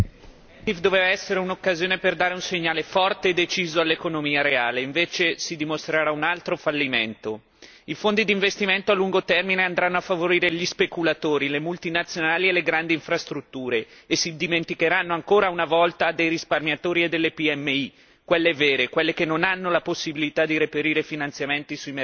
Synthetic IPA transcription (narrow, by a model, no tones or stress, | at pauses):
t̪ifd̪oveːvaɛsːeɾeunokːazjoːneperd̪aːɾeunseɲːaːlefɔrt̪eːd̪ːet͡ʃiːzoalːekonomiːaɾeaːleiɱveːt͡ʃesid̪imost̪ɾaɾaunalt̪ɾofalːiment̪o | ifond̪id̪iɱvest̪iment̪oalːuŋɡot̪ɛrmineand̪ɾanːoafːavoɾiːɾeʎispekulat̪oːɾilemult̪inat̪sːjonaːlielːeɡɾand̪iːɱfɾast̪ɾut̪ːuːɾeːsid̪iment̪ikeɾanːoaŋkoːɾaunavɔlt̪ad̪ejɾisparmjat̪oːɾied̪ːelːepiɛmːei | kwelːeveːɾekwelːekenːonanːolaposːibilit̪ad̪ːiɾepeɾiːɾefinant̪sjament̪isuime